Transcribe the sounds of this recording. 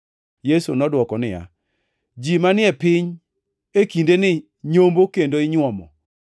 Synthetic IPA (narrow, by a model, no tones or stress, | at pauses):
jesunɔdwɔkɔnɪja̰ | d͡ʒimanɪɛpɪɲ | ekindenɪ | ɲombokendoɪɲwɔmɔ̰